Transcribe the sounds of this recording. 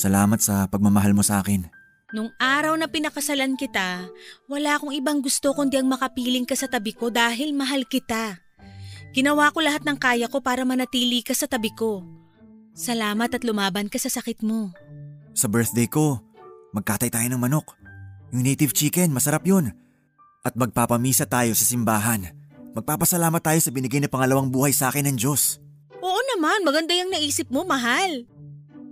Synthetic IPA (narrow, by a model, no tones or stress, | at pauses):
sɐlaːmɐt̪sɐpɐɡ̚mɐmɐɦalmo̞sɐʔa̰ːkɪn | nʊŋʔaːɾɐwnɐpɪnɐkɐsɐlankɪt̪awɐlaːko̞ŋɪbaŋɡʊst̪o̞kʊnd̪iʔɐŋmɐkɐpiːlɪŋkɐsɐt̪ɐbɪko̞d̪aːɦɪlmɐɦalkɪt̪a | ɡ̥ɪnɐwaːko̞lɐɦat̪nɐŋkaːjɐko̞paːɾɐmɐnɐt̪iːlɪkɐsɐt̪ɐbɪko̞ | sɐlaːmɐt̪ɐt̪lʊmaːbɐnkɐsɐsɐkɪt̪̚mo̞ | sɐbɛɹt̪d̪ɛjko̞mɐɡ̚t̪aːt̪ɐjt̪aːjo̞nɐŋmɐno̞kjʊŋnejt̪ɪvt͡ʃiːkɛnmɐsɐɾapjo̞n | ʔɐt̪̚mɐɡ̚papɐmiːsɐt̪aːjo̞sɐsɪmbaːɦɐnmɐɡ̚paːpɐsɐlaːmɐt̪ːaːjo̞sɐbɪnɪɡajnɐpɐŋɐlɐwaŋbuːhɐjsɐaːkɪnːɐŋd͡ʒo̞s | ʔoʔonɐmanmɐɡɐnd̪ajɐŋnɐʔiːsɪp̚mo̞mɐɦal